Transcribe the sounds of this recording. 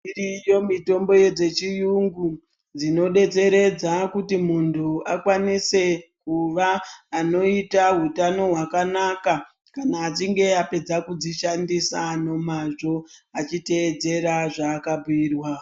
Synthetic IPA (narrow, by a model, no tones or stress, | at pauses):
irijo̞mito̞mbo̞je̞d͡ze̞t͡ʃijuŋɡu | d͡zino̞ɗe̞t͡se̞ɾe̞d͡zakutimuntʰuakwanise̞kuʋaːno̞itaɦutano̞ɦwakanaka | kanaːt͡ʃiŋɡe̞ape̞d͡zakud͡ziʃandisano̞maʐo̞at͡ʃite̞ːd͡ze̞ɾaʐaːkabuiːrwa